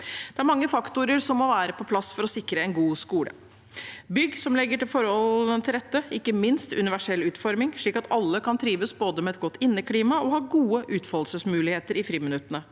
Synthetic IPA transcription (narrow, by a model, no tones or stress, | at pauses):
d̪̥ɛæɾmɑŋːəfɑkt̪ʊɾəɾsɔmːɔʋæːɾəpʰɔpʰlɑsfɔɾɔsɪkɾəɛnɡuːskuːlə̰ | bʏɡsɔmlɛɡːəʈɪlfɔɾhɔlənt̪ʰɪld̪ɛt̪ːəɪkːəmɪnst̪ʉ̰nɪʋæʂɛlːʉːt̪fɔɾmɪŋʂɭiːkɑt̪ɑlːəkʰɑnt̪ʰɾiːʋəsboːd̪əmɛɛt̪̚ɡɔt̪ːɪnːəkʰliːmɑɔhɑːɡuːəʔʉːt̪fɔlsəsmʉːlɪheːt̪əɾɪfɾiːmɪnʉt̪ːənə